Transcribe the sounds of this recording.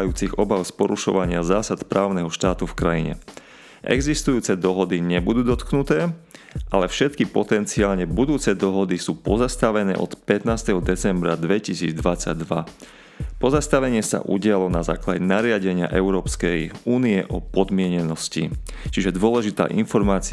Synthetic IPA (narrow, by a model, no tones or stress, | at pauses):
juːt͡siɣɔbaʊspɔɾuʃɔ̰ʋaɲɪazaːsat̪pɾʔaːʊnɛɦɔʃt̪aːt̪ufkɾajiɲɛ̰ | ʔɛ̰ɡzist̪ujuːt͡sɛd̪ɔɦɔd̪iɲɛbud̪uːd̪ɔt̪knut̪ɛːʔalɛfʃɛt̪kipɔt̪ɛnt͡siaːlɲɛbud̪uːt͡sɛd̪ɔɦɔd̪isuːpɔzast̪aʋɛnɛ̰ːʔɔ̰t̪pɛt̪naːst̪ɛɦɔd̪ɛt͡sɛmbɾa̰d̪ʋɛcisiːd͡zd̪ʋat͡sa̰ɟd̪ʋa | pɔzast̪aʋɛɲɪɛsa̰ʔṵɟɪalɔnaza̰ːklaɟɛnaɾɪaɟɛɲɪa̰ʔɛʊɾɔːpskɛjuːniɛʔɔpɔd̪mɪɛɲɛnɔscḭ | t͡ʃiʒɛd̪ʊɔlɛʒit̪a̰ːʔinfɔɾmaːt͡si